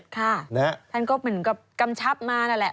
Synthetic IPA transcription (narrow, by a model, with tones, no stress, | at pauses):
t̚kʰa˥˩na˦˥t̪ʰa˥˩nkɔː˥˩mɯ˩˦nka˨˧˩p̚ka˧mt͡ɕʰa˦˥p̚maː˧na˥˩lɛ˨˩